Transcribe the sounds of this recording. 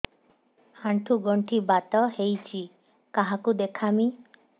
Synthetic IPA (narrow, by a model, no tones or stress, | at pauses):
aɳʈʰuɡɔɳʈʰibat̪ɔɦejt͡ʃʰi | kaɦakud̪ekʰami